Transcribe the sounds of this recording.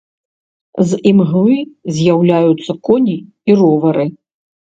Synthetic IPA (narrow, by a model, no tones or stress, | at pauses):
zimɣlˠɨzʲjawlʲajut̪sːɐkɔnʲi | irɔvɐɾɨ